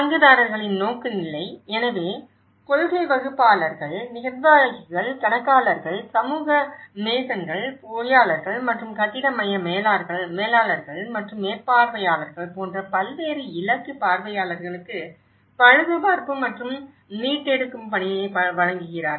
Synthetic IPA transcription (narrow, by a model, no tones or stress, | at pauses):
sɐŋɡɯðaːɾɐɾɣɐɭɪnnoːkːɯnɪlːɐɪɛnɐʋeː | kɔɻɣɐɪʋɐɣɯpːaːlɐɾɣɐɭnɪɣɐɾʋaːɐɣɪɣɐɭkɐnɐkːaːlɐɾɣɐɭsɐmuːɣɐmeːsɐnɡɐɭpoːjaːlɐɾɣɐɭmɐʈrɯmkɐðɪɽɐmɐjɐmeːlaːɾɣɐɭmeːlaːlɐɾɣɐɭmɐʈrɯmeːpːaːɾʋɐjaːlɐɾɣɐɭpoːndrɐpɐlʋeːɾɯɪlɐkːɯpaːɾʋɐjaːlɐɾɣɐɭɯkːɯ | pɐɻɯʋɯpaːɾpɯmːɐʈrɯm | niːʈːɛɽɯkːɯmpɐnɪjɐɪpɐʋɐɻɐŋɡɯɣɪraːɾ